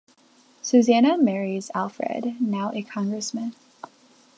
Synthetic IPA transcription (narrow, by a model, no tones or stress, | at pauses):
sʉzænəmɛɹizælˠfɹɛ̰dⁿnaʊʔɨkʰɑ̃ŋɡɹɨsmɨ̃n